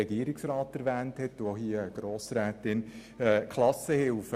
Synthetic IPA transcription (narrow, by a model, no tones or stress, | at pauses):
ɛɡiəɾiksɾɑːtæɾʋæːnthɛtːohiəəɡ̥ɾoːsɾæːtɪn | ɛːkʰlɑsəhɪlfə